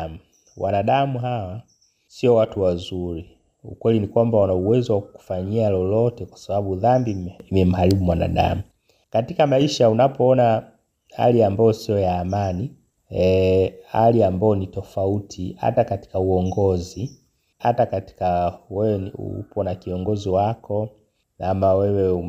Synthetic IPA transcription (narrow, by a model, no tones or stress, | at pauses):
mu | wa̰naɗamuɦawa | siɔwatuwazuɾi | ṵkwɛlinikwambawanauwɛzɔwakuku̥faɲialɔlɔtɛkwḁsaɓaɓuðambiimɛm̩ɦaliɓumwana̰ɗa̰mu | katikamaiʃaunapʰɔɔna | ha̰liambaɔsiɔjaːmani | ha̰liambaɔnitɔfautʰiha̰takati̥kauɔŋɡɔzi | ha̰takati̥kawɛwɛṵpʰɔnakiɔŋɡɔziwakʰɔ | namawɛwɛu